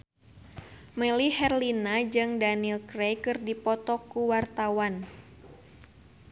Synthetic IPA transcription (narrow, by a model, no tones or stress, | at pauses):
məlihɛrlinad͡ʒɨŋdanilkɾejkɨrdipɔt̪ɔkuwart̪awan